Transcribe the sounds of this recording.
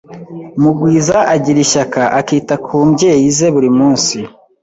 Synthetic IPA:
muɡwiːzaʔaɟiɾiʃakaʔakiːtakʰuːmbɟe̞ːjize̞βuɾimuːnsi

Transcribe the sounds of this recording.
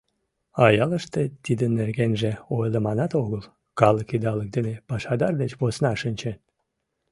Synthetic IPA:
ɑjɑləʃt̪et̪id̪ənːerɣenʒĕojlemɑnɑt̪oɣəl | kɑləkid̪ɑlək̚d̪enepɑʃɑd̪ɑrd̪et͡ɕβosnɑʃənʲt͡ɕet̪

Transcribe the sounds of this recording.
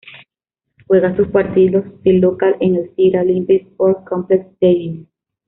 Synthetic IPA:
xweɣasuspwaɾt̪ilost̪elokalenelsiɾalimpispoɾ̚kompleksd̪̥eβin

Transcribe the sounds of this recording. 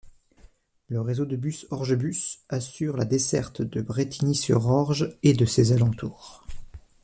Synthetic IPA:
ləʁezod̪əbysɔʁʒəbysasyʁlad̪esɛ̰ʁt̪d̪əbʁet̪ʰinisy̰ʁɔʁʒed̪əsezalɑ̃t̪uːʁ

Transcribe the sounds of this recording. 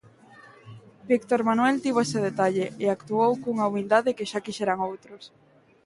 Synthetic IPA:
bikt̪oɾmanwelt̪iβoeseð̞et̪aʎeʔeakt̪uowkouŋaumild̪aðekeʃakiʃɛɾaŋowt̪ɾos

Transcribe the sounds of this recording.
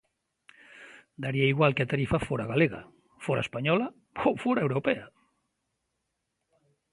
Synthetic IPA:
d̪aɾiaiɣwalkeat̪aɾifafoɾaɣaleɣa̰ | foɾa̰ḛspaɲɔla | ofoɾaewɾopɛa

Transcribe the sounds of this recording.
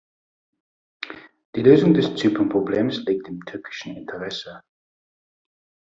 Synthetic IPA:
d̥iːløːzʊŋdɛst͡syːpʰɐnpʁ̥obleːmsliːk̚tɪmtʰʏɐkʰɪ̥ʃn̩ɪntʰəʁɛsə

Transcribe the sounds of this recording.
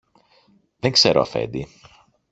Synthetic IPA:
ðeŋkse̞ɾo̰ɐfe̞̰nd̪i

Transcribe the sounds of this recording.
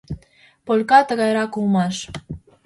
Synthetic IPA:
polʲkɑt̪əɣɑjɾɑkulmɑʃ

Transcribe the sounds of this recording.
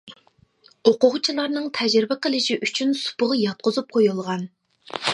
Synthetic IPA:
oqʊʁt͡ʃʰilˠɑɾnɨŋt̪ʰɛd͡ʒɾɪbɪqʰəlˠɪʃiʔyt͡ʃʰynsu̥pʊʁɑjɑt̪̚qʰʊzup̚qʰojulˠʁɑn

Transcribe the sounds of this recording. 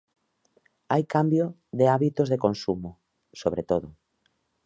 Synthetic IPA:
ajkambjo | ðeaβit̪ozðekonsumo | soβ̞ɾet̪oðʊ

